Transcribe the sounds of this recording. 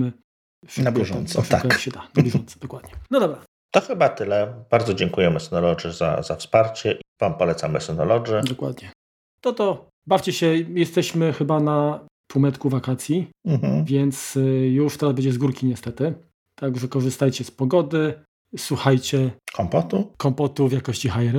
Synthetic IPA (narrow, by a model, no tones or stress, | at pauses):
mɘ | ʂnabʲjɛʐɔnsɔʂkajɔɕɛt̪anabʲjɛʐɔnt̪sɛ̥d̪ɔkwad̪ɲɛnɔd̪ɔbɾa | t̪ɔxɘbat̪ɘlɛb̥aɾd̪zɔd͡ʑɛŋkujɛmɛsɛnɔlɔd͡ʐɛza̰zafspaɾt͡ɕɛʔvampɔlɛt̪samɛsɔnɔlɔd͡ʐɛd̪ɔkwa̰d̪ɲɛ | t̪ɔt̪ɔ | baft͡ɕɛɕɛjɛst̪ɛɕmɘxɘbanap̪wumɛt̪kuvakat̪sʲjim̩vʲjɛnt̪sjuʂt̪ɛɾazbɛɲd͡ʑɛzɡuɾkʲiɲɛst̪ɛt̪ɘ | t̪aɡʐɛkɔʐɘst̪ajt͡ɕɛspɔɡɔd̪ɘ | swuxajt͡ɕɛkʰɔmpɔt̪ukɔmpɔt̪uvjakɔɕt͡ɕixajɛɾ